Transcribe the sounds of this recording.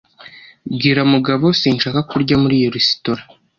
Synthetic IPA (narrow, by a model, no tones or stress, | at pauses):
bɡiːɾamuɡaβo̞siːnʃaːkakuɾɟamuɾijeɾisi̥toɾḁ